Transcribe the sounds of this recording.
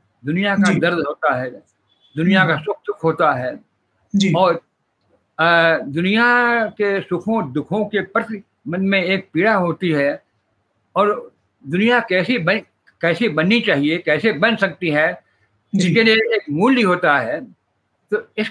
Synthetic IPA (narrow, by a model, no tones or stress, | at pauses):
d̪ʊnijakad̪ɐɾd̪ʱɦoːt̪aɦɛː | d̪ʊnijakasʊk̚ʰd̪ʊkʰɦoːt̪aɦɛː | d͡ʒiɔːɾ | d̪ʊnijakesʊkʰõd̪ʊkʰõkepɐɾt̪i | mənmẽeːk̚piːɽaɦoːt̪iɦɛ | ɔːɾ | d̪ʊnijakɛːsibɐ | kɛːsibɐnːit͡ʃaːɦiekɛːsebɐ̃nsɐk̚t̪iɦɛː | d͡ʒɪskelieːkmuːlbiɦoːt̪aɦɛː | t̪oːɪs